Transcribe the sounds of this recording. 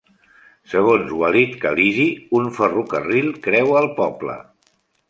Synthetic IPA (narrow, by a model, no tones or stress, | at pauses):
səɣ̞onzwəlit̪kəliʒiuɱfərukərilˠkɾɛwəlˠpɔblə̰